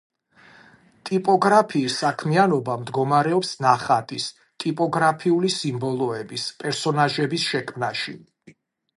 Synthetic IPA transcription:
t̪ʼipʼɔɡɾapʰiːsakʰmianɔbamd̪ɡɔmaɾɛɔpsnaχat̪ʼis | t̪ʼipʼɔɡɾapʰiulisimbɔlˠɔɛbispʼɛɾsɔnaʒɛbisʃɛkʰmnaʃi

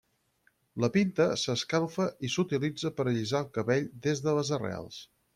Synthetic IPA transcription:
ləpint̪əsəskalˠfəʔisut̪ilid͡zəpəɾəʎizalˠkəβeʎd̪ezðələzərḛa̰lˠs

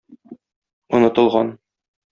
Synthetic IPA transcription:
ŏnɤ̆t̪ɤ̆lˠʁɑn

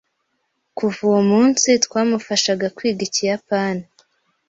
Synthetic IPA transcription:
kuvuwomuːnsitkwaːmufaʃaɡakwiːɡicijapaːni

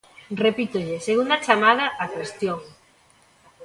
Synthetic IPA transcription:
repit̪oʎeseɣund̪at͡ʃamaðaʔakwest̪jo

